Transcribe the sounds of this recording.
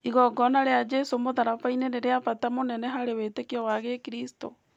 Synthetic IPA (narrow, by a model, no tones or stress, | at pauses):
iɣɔɡɔnaɾead͡ʒesomoðaɾafaineneɾeapatamonɛnɛɦaɾewetekiɔwaɣekiɾisto̰